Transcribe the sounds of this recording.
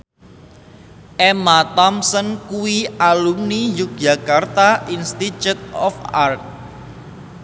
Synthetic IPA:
ʔɛmat̪ɔmsənkuwialumnijuk̚ʒ̥a̤kart̪aʔinst̪it͡ʃut̪̚ɔfark̚

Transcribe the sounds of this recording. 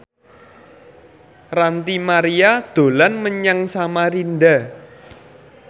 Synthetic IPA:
rant̪imaɾiad̪̥o̤lanməɲaŋsamaɾinda

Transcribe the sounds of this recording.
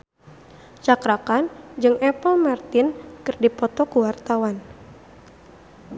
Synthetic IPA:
t͡ʃakɾakand͡ʒɨŋʔɛpəlmart̪ɪnkɨrdipɔt̪ɔkuwart̪awan

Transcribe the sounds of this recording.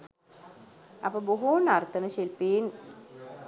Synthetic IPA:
apəbuɦuːnaɾt̪ənəʃilpiːn

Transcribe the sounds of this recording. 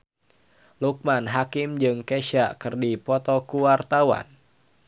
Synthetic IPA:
luk̚manɦakɪmd͡ʒɨŋkeʃaʔkɨrdipɔt̪ɔkuwart̪awa̰n

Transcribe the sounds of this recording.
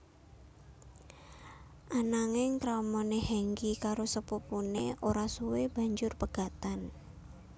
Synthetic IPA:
ʔanaŋɪŋkɾaumɔnehɛŋɡikaɾosəpupuneʔoɾasuweb̥a̤ɲd͡ʒʊrpəɡ̥a̤t̪an

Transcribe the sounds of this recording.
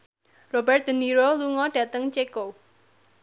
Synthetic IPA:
robɛrt̪̚d̪̥ə̤niɾoluŋɔɖ̥ä̤t̪əŋt͡ʃeko

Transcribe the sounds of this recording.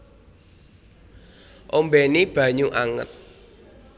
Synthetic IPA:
ʔombenib̥ä̤ɲuʔaŋə̰t̪̚

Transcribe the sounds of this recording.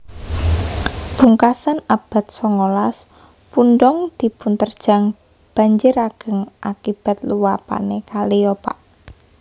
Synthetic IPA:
b̥uŋkasanab̥a̤t̪̚sɔŋolas | punɖɔŋd̪̥i̤punt̪ərd̥ʒ̥a̤ŋ | b̥a̤ɲd͡ʒɪɾaɡ̥ə̤ŋʔakib̥a̤t̪̚luwapa̰nekaliopa̰ʔ

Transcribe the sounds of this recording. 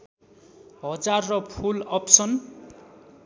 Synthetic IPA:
ɦʌd͡zarːʌpʰulʌpsʌn

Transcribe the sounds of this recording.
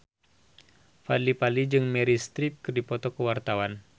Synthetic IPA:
fa̰dlipalid͡ʒɨŋmɛɾist̪ɾip̚kɨrdipɔt̪ɔkəwart̪awan

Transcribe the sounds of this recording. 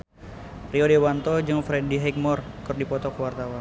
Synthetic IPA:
riɔdewant̪ɔd͡ʒɨŋfɾɛdiɦɛk̚mɔrkɨrdipɔt̪ɔkəwart̪awan

